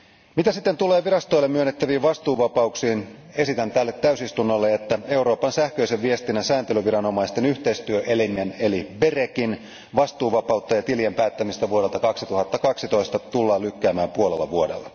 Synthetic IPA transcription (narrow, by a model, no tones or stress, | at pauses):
mit̪æsit̪ːent̪ule̞ːʋiɾɑst̪o̞jlːemːyønːet̪ːæʋiːʋʋɑst̪uːʋɑpɑuksiːn | e̞sit̪ænt̪ælːet̪ːæysist̪unːo̞lːe̞et̪ːæe̞uɾo̞ːpɑnsæhkøiseʋʋiest̪inːæsæːnt̪elyʋiɾɑno̞mɑist̪e̞nyçt̪e̞ist̪yøʔelimiæne̞liberekin | ʋɑst̪uːʋɑpɑut̪ːɑjɑt̪iliempæːt̪ːæmist̪æʋuoɾet̪ɑkɑksit̪uhɑt̪ːɑkɑksit̪o̞ist̪ɑt̪ulːɑːlykːæːmæːmpuolelːɑ̰ʋuodḛlːɑ